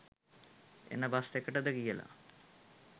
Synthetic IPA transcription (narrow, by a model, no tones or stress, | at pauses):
ḛnəbast̪ekːəʈəd̪əkijəla̰